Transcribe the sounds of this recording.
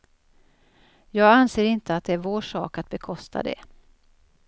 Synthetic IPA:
jɑːɡanseːɾɪnt̪əat̪̚d̪ɛæɾvoːʂɑ̰ːkat̪̚bɛkʰɔst̪ʰa̰d̪ɛ̰

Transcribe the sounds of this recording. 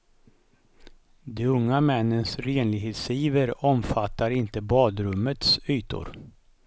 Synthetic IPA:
d̪ɛɵŋːamɛnːənsɾeːnlɪɡɦeːt̪siːvəɾɔmfat̪ːaɾɪnt̪əbɑːd̪ɾɵmːət̪syːt̪ʊ̰ɾ

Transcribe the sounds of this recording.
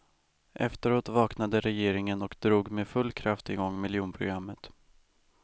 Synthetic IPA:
ʔɛ̰ft̪əɾoːt̪vɑːknad̪əɾɛjeːɾɪŋənɔkd̪ɾuːɡmeːfɵlːkʰɾaft̪ɪɡɔŋːmɪljuːnpʰɾʊɡɾamːət̪

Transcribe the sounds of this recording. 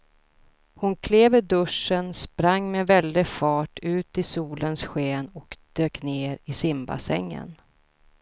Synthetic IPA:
hʊnkʰleːvəɖɵʂənspɾaŋːmevɛld̪ɪfɑːʈʰʉ̟ːt̪ɪsuːlənsɧeːnɔkd̪̥øːkneːɾɪsɪmba̰sɛ̰ŋːə̰n

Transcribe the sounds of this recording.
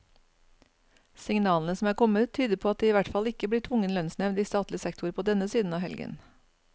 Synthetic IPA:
sɪŋnɑːln̩əsɔm̩æːɾkʰɔmət̪ʰyːd̪əpʰoːɑt̪̚d̪eːiːʋæʈfɑlɪkəbliːʈʰʋʊŋənlœnsnɛʋnd̪iːst̪ɑːt̪lɪəsɛkt̪ʊɾpʰoːd̪ɛnəsiːd̪n̩ɑːhɛ̰lɡə̰n

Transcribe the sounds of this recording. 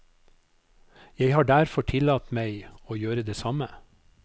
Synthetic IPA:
jeɪhɑːɖæɾfɔʈʰɪlɑːt̪mæɪoːjøːɾəd̪eːsɑmə

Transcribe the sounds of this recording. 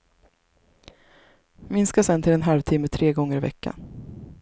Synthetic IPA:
mɪnskasɛnt̪ʰɪlɛnɦalvt̪ʰɪmːət̪ʰɾeːɡɔŋːəɾɪvɛ̰kːa̰

